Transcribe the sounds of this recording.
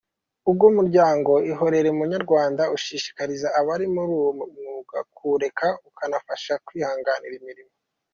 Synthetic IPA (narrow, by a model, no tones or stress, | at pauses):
ub̚ɡumuɾɟaːŋɡo̞iɦo̞ɾe̞ɾeumuɲaɾɡwaːndauʃiːʃi̥kaɾizaʔːβaɾimuɾumnuɡakuɾe̞kaukʰanafaʃakwiːhaːŋɡaniɾimiɾimo